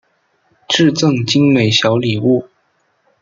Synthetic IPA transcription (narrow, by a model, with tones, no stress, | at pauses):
ʈ͡ʂɻ̩˥˧t͡sɤ˥˩ŋt͡ɕi˥ŋme˨˩ɪɕjɑ˧˥ʊli˨˩u˥˩